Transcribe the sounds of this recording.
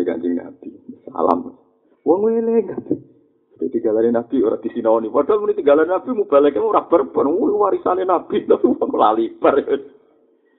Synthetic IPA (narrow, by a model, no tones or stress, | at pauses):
ika̰ɲd͡ʒɪŋna̰b̥isa̰la̰m | wɔŋwelɛŋat̪ | t̪at̪iŋɡalanenab̥ioɾa̰d̪̥isinaɔnipadɔlmunit̪iŋɡalanenab̥imub̥alɛkemoɾab̥ərpərwluwaɾisanenab̥inapiwɔŋla̰lipərɛ